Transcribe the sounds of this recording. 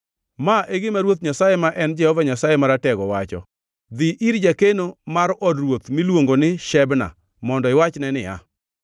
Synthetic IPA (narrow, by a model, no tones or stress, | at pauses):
maʔeɡɪmaɾwot̪̚ɲasajemaʔɛnd͡ʒɛhɔvaɲasajemaɾatɛɡɔwat͡ʃɔ̰ | d̪ɪʔiɾd͡ʒakenomaɾɔdrwot̪mɪlwoŋɡonɪʃɛbna̰ | mɔndɔɪwat͡ʃnɛnɪa̰